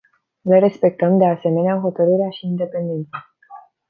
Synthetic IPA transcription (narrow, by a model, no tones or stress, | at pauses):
leɾe̞spe̞k̚t̪əmd̪e̞ase̞me̞neaɦo̞t̪əɾɨɾeaʃiːnd̪e̞pe̞nd̪e̞nt̪sa